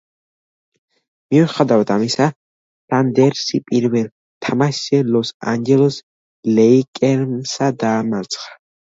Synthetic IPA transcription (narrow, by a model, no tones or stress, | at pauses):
miwɛχad̪avat̪ʰamisa | sand̪ɛɾsipʼiɾvɛl | t̪ʰamaʃɛlɔsa̰nd͡ʒɛlɔs | lɛikʼɛɾmsad̪aːmat̪sʼχḁ